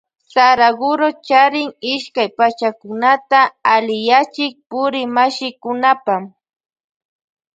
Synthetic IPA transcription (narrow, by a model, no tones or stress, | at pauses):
saɾaɡʊɾot͡ʃaɾɪŋɪʃkajpat͡ʃakʊnat̪aːlɪjat͡ʃɪk̚pʊɾɪmaʃɪkʊnapam